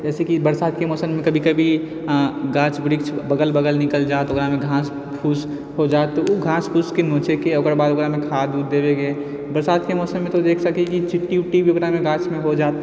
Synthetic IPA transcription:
d͡ʒɛːsekibəɾsaːd̪̚kemɔːsənmẽkɐbʱikɐbʱi | ɡãːt͡ʃbɾiːkt͡ʃʰbəɡəlbəɡəlnɪkəld͡ʒaːt̪oɡɾamẽɡʱãːs | pʰuːs | ɦod͡ʒaːet̪ːouɡʱãːspʰuːskenõːt͡ʃekeoɡəɾbaːd̪oɡɾamẽkʰaːd̪uːd̪d̪eːbeɡeː | bəɾsaːd̪kemɔːsənmẽt̪od̪eːkʰsəkikit͡ʃɪʈːiuʈːibʱioɡɾamẽɡãːt͡ʃmẽɦod͡ʒaːt̪

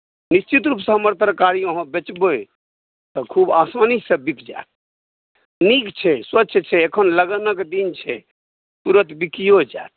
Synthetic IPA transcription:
nist͡ʃit̪ɾupsə̃ɦəməɾt̪əɾəkaɾijəɦãbet͡ʃbo | t̪ɔkʰubasmanisəbikʰd͡ʒa̰et̪̚ | nikt͡ʃʰɛswət͡ʃːʃʰt͡ʃʰɛekʰənləɡənəkd̪int͡ʃʰɛ | t̪uɾət̪bikijod͡ʒat̪̚

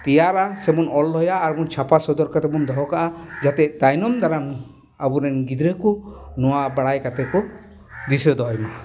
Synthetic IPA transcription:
t̪ijaɾasemɔnɔlːɔjaːɾmunt͡ʃʰapasɔd̪ɔɾkat̪ɛmund̪ɔɦɔkaʔad͡ʒat̪ɛt̪ajnɔmd̪aɾam | abuɾɛnɡid̪ɾekunɔwaʔbaɽajkat̪ɛkɔ | d̪isəd̪ɔjma

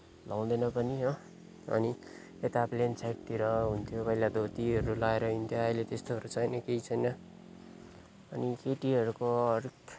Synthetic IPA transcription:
law̃d̪enʌpʌniɦo | ʌ̰ni | et̪aplent͡sʰajʈ̚t̪iɾʌɦunt̪ʰjopʌjlad̪ʱot̪iɦʌɾulaeɾʌɦint̪ʰjoʌilet̪est̪oʌɾut͡sʰʌjnʌkeit͡sʰʌjnʌ | ʌnikeʈiʌɾukoʌrk

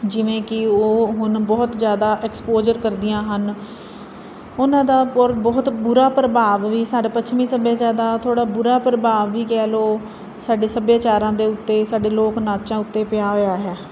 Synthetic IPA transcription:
d͡ʒɪʋẽːkɪoːɦʊnbɔːt̪d͡ʒjaːd̪aːʔɛkspoːd͡ʒəɾkəɾd̪ɪjãːɦən | ʊnãːd̪aːɾbɔːt̪bʊɾaːpɾəbaːʋʋiːsaːɖaːpət͡ʃʰmĩːsəbeːt͡ʃaːd̪aːt̪ʰoːɽaːbʊɾaːpɾəbaːʋːiːkɛːloː | saːɖeːsəbjaːt͡ʃaːɾãːd̪eːʊt̪ːeːsaːɖeːloːknaːt͡ʃãːʊt̪ːeːpɪjaːɦoːjaːɦɛː

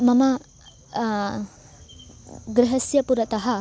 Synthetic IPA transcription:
mɐmɐ | ɡɾɪɦɐsjɐpuɾɐt̪ɐɦɐ

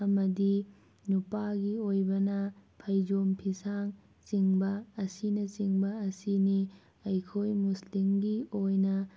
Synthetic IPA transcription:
ɐmɐdi | nupaɡiojbɐnɐpʰɐjd͡ʒompʰisaŋ | t͡ʃiŋbɐːsinɐt͡ʃiŋbɐɐsini | ɐjkʰojmuslimɡiojnɐ

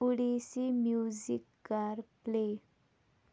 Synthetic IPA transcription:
uɽisimjuzḭkːaɾple

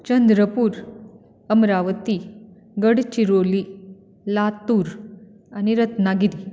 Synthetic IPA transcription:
t͡ɕənd̪ɾəpuːɾ | əmɾaʋət̪i | ɡəɽt͡ɕiɾoli | lat̪uːɾ | añiɾət̪naɡiɾi

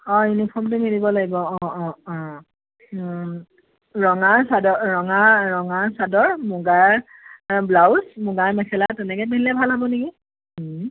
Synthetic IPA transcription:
ɔ̃inipʰɔmtʊmiɹibɔlaɡibɔɔɔ̃ɔ̃ | ɹɔŋaɹsadɔɹɔŋaɹːɔŋaɹsadɔɹmuɡaɹ | blawsmuɡaɹmɛkʰɛlatɛnɛkɛpiɦilɛbʱalɦabɔniki

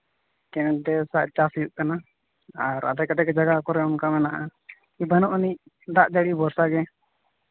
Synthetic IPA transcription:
kɛnɛd̪ɛsaʔ̚t͡ʃasjuʔkana | aɾa̰d̪akad̪ɛkɛd͡ʒaɡakɔɾɛɔnkamɛnaʔa | ibanɔʔniʔ | d̪aʔd͡ʒaɽibɔɾsaɡɛ

